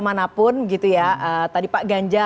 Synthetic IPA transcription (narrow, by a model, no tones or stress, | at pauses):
manapʊnbəɡit̪ujaʔət̪adipaʔɡaɲd͡ʒa